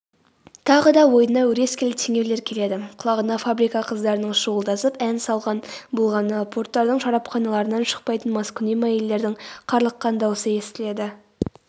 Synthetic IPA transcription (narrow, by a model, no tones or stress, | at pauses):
t̪ʰɑʁəd̪ɑwo̞jənɑwɵɾe̞skʲelɪt̪ʰeŋʲe̞wle̞ɾkʲʰe̞le̞d̪ɪqʰʊlˠɑʁənɑfabɾijkɑqʰəzd̪ɑɾənəɴʃuwəlˠd̪ɑsəpænsɑlˠʁɑnbʊlˠʁɑnəpʰo̞ɾt̪ːɑɾd̪əɴʒɑɾɑpχɑnɑlˠɑɾənɑnʃə̥q̚pɑjt̪ənmɑskʊnijmɑjelːe̞ɾd̪ɪɴqʰɑɾlˠəqːɑnd̪ɑwəsəje̞st̪ɪle̞d̪ɪ